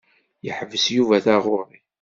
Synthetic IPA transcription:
jəħəvəsjuvæθaʁʊɾˤi

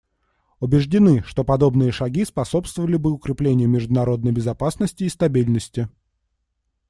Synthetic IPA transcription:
ʊbʲɪʐdʲɪnɨʂt̪o̞pɐd̪o̞bnɨjəʂɐɡʲispɐso̞pst̪vəvəlʲɪbɨʊkɾʲɪplʲenʲɪjʊmʲɪʐd̪ʊnɐɾo̞d̪nəjbʲɪzɐpasnəsʲtʲɪːst̪ɐbʲilʲnəsʲtʲɪ

